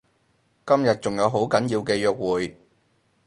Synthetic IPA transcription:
kɐ˥mjɐ˨t̚t͡sʊ˨ŋjɐ˨˧wɦo˨˥wkɐ˨˥njiː˧wkɛː˧jœː˧k̚wuː˨j

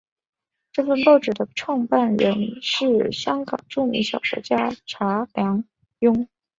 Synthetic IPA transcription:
ʈ͡ʂɤ˥˧fə˥˧npɑ˥˩ʊʈ͡ʂɻ̩˨˩d̪ə˦ʈ͡ʂʰwɑ˥˧ŋpa˥˩nɻə˧˥nʂɻ̩˥˩ɕjɑ˥ŋkɑ̰˨˩ŋʈ͡ʂu˥˩mḭ˧˥ŋɕjɑ̰˨˩ʊkɔ̰˧˥t͡ɕja˥ʈ͡ʂʰa˧˥ljɑ˧˥ŋ | jʊ˥ŋ

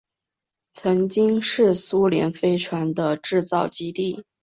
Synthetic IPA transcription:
t͡sʰɤ˧˥ŋt͡ɕi˥ŋʂɻ̩˥˩su˥ljɛ̰˧˥nfe˥ɪʈ͡ʂʰwa˧˥nd̪ə˧ʈ͡ʂɻ̩˥˧t͡sɑ˥˩ʊt͡ɕi˥t̪i˥˩

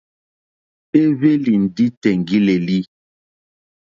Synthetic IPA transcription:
e˦βe˦li˨n̩˨di˦tɛ˨ŋɡi˦le˨li˦

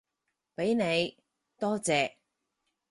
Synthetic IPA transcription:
pe˨˥jne˨˧j | t̪ɔː˥t͡sɛː˨

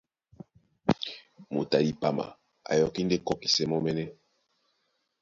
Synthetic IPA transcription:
mo˨ta˨di˨pa˨ma̰˨ | a̰˨jɔ˨ki˦nde˦kɔ˨ki̥˨sɛ˨mɔ˦mɛ˦nɛ˦

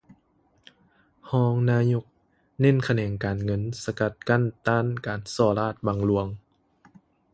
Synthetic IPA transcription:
hɔː˧˥ŋnaː˧˥ɲo˧˥k̚ | ne˥˨nkʰa˧nɛː˨˩ŋkaː˨nŋɤ˧˥˨nsa˧ka˧˩t̪̚ka˧˥˨nt̪aː˥˨nkaː˨˩nsɔː˧˩laː˥˩t̪̚baː˧ŋlu˧əŋ

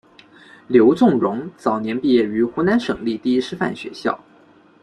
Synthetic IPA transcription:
ljo˧˥ʊt͡sʊ˥˩ŋɻʊ˧˥ŋt͡sɑ˨˩ʊnjɛ˧˥npi˥˧jɛ˥˩y˧˥xu˧˥na˧˥nʂɤ˨˩ŋli˥˧t̪i˥˩i˥ʂɻ̩˥fa̰˥˩nɕɥɛ̰˧˥ɕjɑ̰˥˩ʊ

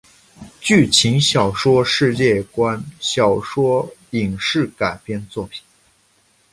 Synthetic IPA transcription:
t͡ɕy˥˩t͡ɕʰi˧˥ŋɕjɑ˨˩ʊʂwɔ˥ʂɻ̩˥˧t͡ɕjɛ˥˩kwa˥nɕjɑ˨˩ʊʂwɔ˥i˨˩ŋʂɻ̩˥˩ka˨˩ɪpjɛ˥˧nt͡swɔ˥˩pʰi̥˨˩˦

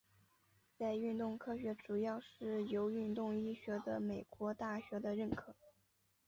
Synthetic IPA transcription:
t͡sa˥˧ɪy˥˧nt̪ʊ˥˧ŋkʰɤ˥˩ɕɥɛ˧˥ʈ͡ʂu˨˩jɑ˥˧ʊʂɻ̩˥˩jo˧˥ʊy˥˧nt̪ʊ˥˧ŋi˥˩ɕɥɛ˧˥d̪ə˧me˨˩ɪkwɔ˧˥t̪a˥˩ɕɥɛ˧˥d̪ə˧ɻə˥˩nkʰɤ˨˩˦

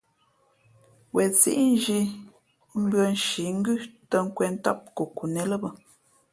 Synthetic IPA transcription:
wɛ˨t͡sḭ˦ʔn˦ʒi˦ | m̩˦bɰə˦n˦ʃi˨˦ŋ̩˦ɡʉ˦tə˦˨ŋ̩˦kwɛ˨n̩˦tɔ˦p̚ku˨ku˨nɛ˨lə˦bə˨

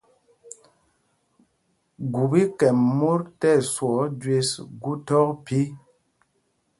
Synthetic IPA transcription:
ɡu˨bi˦kɛ˨mːo˦ɾtɛ˦˨swɔ˨˦d͡ʒwe˦sɡu˦tɔ˦k̚pi˦

